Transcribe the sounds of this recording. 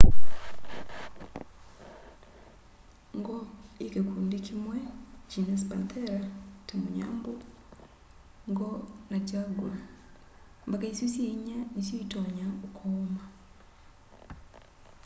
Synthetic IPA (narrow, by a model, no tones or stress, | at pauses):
ŋɡɔikekuːndikʰimwɛt͡ʃinɛspa̰nt̪ʰeɾatemuɲa̰ːmbo | ŋɡɔnat͡ʃaɡula | mbakaisisjeɲanisjiitɔɲaukʰɔːma